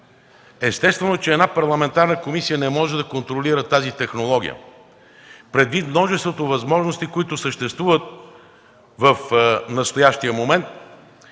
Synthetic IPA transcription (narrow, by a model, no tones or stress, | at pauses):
ɛst̪ɛst̪vɛnot͡ʃɛːd̪napɐɾlˠɐmɛnt̪aɾnəkomisijənɛmɔʒɛd̪ɐkont̪ɾoliɾət̪azit̪ɛxnolˠɔɡ̟ʲḭjə̰ | pɾɛd̪vit̪mnɔʒɛst̪vot̪ovɐzmɔʒnost̪ikoit̪ʊsəʃt̪ɛst̪vuvət̪̚ | vəfnɐst̪ojaʃt̪ijəmomɛnt̪̚